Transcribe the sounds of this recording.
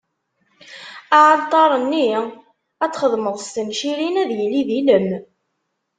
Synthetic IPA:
aʕɑlt̪ˤɑɾˤənːi | æt͡sːχəðˤməðˤst̪ənʃiɾinæðjəlːiðiləm

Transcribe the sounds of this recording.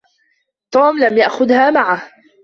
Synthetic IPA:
t̪uːmlamjaʔxʊðhaːmaʕah

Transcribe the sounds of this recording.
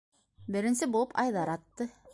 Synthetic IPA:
bɘ̆ɾɘ̆nsɘbulˠɤpɑjðɑɾɑt̪ːɤ

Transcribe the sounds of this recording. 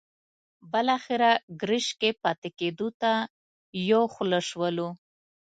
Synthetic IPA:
bəlɑxɪɾaɡɾɪʃkepɑt̪eked̪ut̪a | joxləʃwəlu

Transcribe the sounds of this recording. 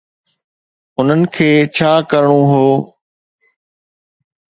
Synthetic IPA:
ʊn̤ənɪ̆kʰeːt͡ɕʰaːkəɾɽ̃õːɦoː

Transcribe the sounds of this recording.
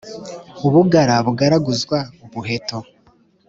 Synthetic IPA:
uβuɡaɾaβuɡaɾaɡuzɡwauβuheto

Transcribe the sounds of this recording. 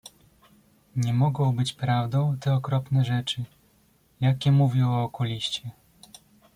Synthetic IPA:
ɲɛmɔɡɔ̃w̃bɘt͡ɕpɾavd̪ɔ̃w̃t̪ɛɔkɾɔpnɛʐɛt͡ʂɘ | jakʲɛmuvʲjɛwɔːkɔlʲiɕt͡ɕɛ

